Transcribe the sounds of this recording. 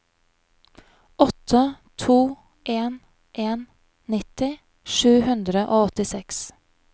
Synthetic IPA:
ɔt̪ʰə | t̪ʰuː | ʔeːn | ʔeːn | nɪt̪ɪ | ʃʉːhʉnd̪ɾəʔoːɔt̪ɪsɛks

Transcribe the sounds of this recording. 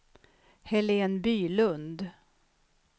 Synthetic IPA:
hɛleːnbyːlɵnd̪

